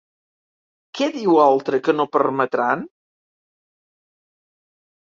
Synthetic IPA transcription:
kɛðiwalˠt̪ɾəkənopəɾmət̪ɾan

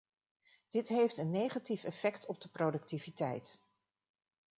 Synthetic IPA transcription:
d̥ɪtɦejftənːejχatifɛfɛktɔb̚dəprowdɵk̚tivitɛ̰jt

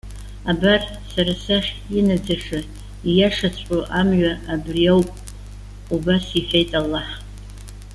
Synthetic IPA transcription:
abar | saɾasaχʲ | inad͡zaʂɨ | ijaʂat͡sʷʼoʔamɥaabriawpʼ | ubasiħʷᶣejtʼalːaħ

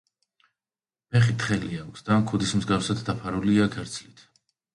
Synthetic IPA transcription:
pɛχit̪ʰχɛliakʰsd̪̥aːmkʰud̪ismzɡafsad̪ːapʰaɾuliakʰɛɾt̪sʰlit̪ʰ

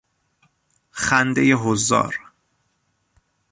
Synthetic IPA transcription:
χænd̪ejeɦozːɒ̰ːɾ

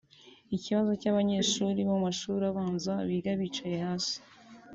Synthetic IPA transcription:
iciβazo̞caβaɲe̞ːʃuːɾiβomumaʃuːɾaβaːnzaβiɡaβit͡ʃajehaːsi̥

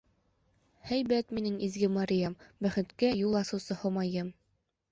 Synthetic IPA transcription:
hæjbæt̪minɘŋizɡɘmaɾʲijambæχɘ̆t̪kæjulˠɑsɤ̆wsɤhŏmɑjɤm

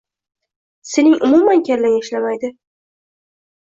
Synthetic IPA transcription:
se̞nɪŋʔʊmumankʲʰaɾlaŋʲɪʃlamajd̪ɪ

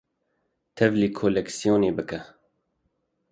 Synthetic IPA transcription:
t̪ʰɛvliːkʰolɛksijoːneːbɨkɛ

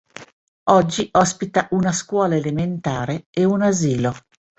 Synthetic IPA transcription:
ɔd͡ʒːiʔɔspit̪aʔunaskwɔːlaelement̪aːɾeeunaziːlo

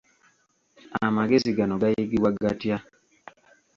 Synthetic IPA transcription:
amaɡesiɡanɔɡajeɡiwaɡatja

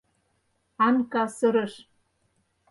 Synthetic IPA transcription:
ɑnkɑsɤ̆ɾɤ̆ʃ

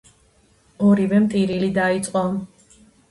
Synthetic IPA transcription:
ɔɾivɛmt̪ʼiɾilid̪ait̪sʼqʼɔ

